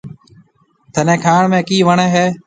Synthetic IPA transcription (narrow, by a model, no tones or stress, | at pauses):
t̪ʰənẽːkʰaːɳmẽːkiːʋəɳeːɦeː